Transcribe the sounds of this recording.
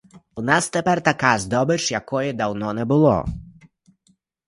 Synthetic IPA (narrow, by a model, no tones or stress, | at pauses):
unast̪ɛpɛrt̪akazd̪ɔbɪt͡ʂjakɔjɛd̪awnɔnɛbɨlˠɔ̰